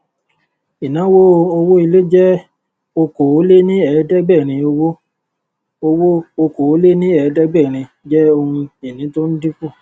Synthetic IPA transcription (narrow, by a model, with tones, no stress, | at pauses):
i˨nã˨˦wo˦o˧wo˦i˧le˦d͡ʒɛ˦ | o˧ko˨o˨˦le˦nĩ˦ɛ˨˦dɛ˦ɡ͡bɛ˦˨ɾ̃ĩ˧o˧wo˦ | o˧wo˦o˧ko˨˦le˦nĩ˦ɛ˨˧˦dɛ˦ɡ͡bɛ˦˨ɾ̃ĩ˧ | d͡ʒɛ˦o˧hũ˧i˨nĩ˨˦to˦n̩˦di˦ku˦˨